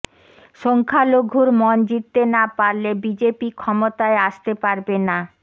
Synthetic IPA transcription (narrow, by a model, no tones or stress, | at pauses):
ʃɔŋkʰaloɡʱuɾmɔnd͡ʑit̪ːenapaɾlebid͡ʑepikʰɔmot̪aeaʃt̪epaɾbena